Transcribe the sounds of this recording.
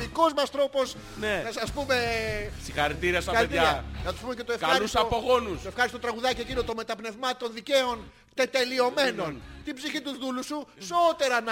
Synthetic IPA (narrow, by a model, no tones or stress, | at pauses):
iko̞zmɐst̪ɾo̞po̞s | nenɐsɐspume̞sixɐɾit̪iɾiɐsɐɐɾieɐɐnɐt̪u̥spumecet̪oefkɐɐusɐpoɣo̞nusoe̞fxɐɾst̪ot̪ɾɐɣuðɐciecinot̪o̞me̞t̪ɐpne̞vmɐt̪o̞nðice̞o̞n | t̪e̞t̪e̞lio̞me̞no̞nt̪ibziçit̪uzðulususoot̪e̞ɾɐnɐ